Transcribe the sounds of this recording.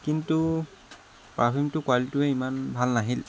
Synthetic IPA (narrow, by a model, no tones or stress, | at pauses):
kintu | pɹabimtʊkwaltʊɛimanbʱalnaɦil